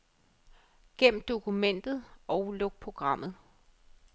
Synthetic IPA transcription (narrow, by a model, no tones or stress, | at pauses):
ɡ̥em̰m̩d̥o̝kʰumen̰d̥ð̞̩ˠɒ̽ʊlɔ̽ɡ̥̚pʰʁo̝ɡ̥ʁɑ̈m̰ð̩ˠ